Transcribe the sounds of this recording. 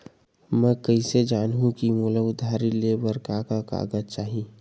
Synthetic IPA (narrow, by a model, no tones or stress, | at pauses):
mɛ̃kəised͡ʒaːnɦũkimolaʊd̪ʱaːɾilebəɾkaːkaka̰ːɡəd͡ʒt͡ʃaːɦi